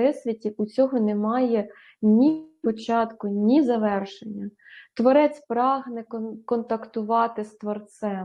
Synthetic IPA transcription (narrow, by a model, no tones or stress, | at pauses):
ɪsʲʋʲitʲiut͡sʲɔɦɔnemɑjɛ | nʲipɔt͡ʃɑt̪kʊnʲizɐʋɛrʃenʲːɐ | t̪ʋɔɾɛt͡sʲpɾɑɦnɛkɔnt̪ɐkt̪ʊʋɑt̪ɪst̪ʋɔrt̪sɛ